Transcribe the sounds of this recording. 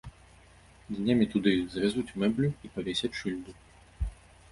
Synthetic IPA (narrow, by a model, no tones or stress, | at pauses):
d̪ʲnʲamʲit̪ud̪ɨiɣzvʲazut͡sʲmɛblʲuipavʲɛsʲɛt͡sʲt͡ʂɨlʲd̪u